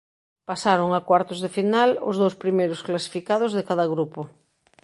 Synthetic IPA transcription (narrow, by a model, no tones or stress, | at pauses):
pasaɾoŋakwaɾt̪ozðefinalo̰zðowspɾimejɾosklasi̥fikað̞ozðekaðɐɣɾupo